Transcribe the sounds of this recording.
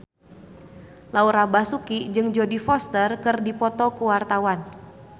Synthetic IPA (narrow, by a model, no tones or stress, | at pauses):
lauɾabasukid͡ʒɨŋd͡ʒodifɔst̪ərkɨrdipɔt̪ɔkuwart̪awan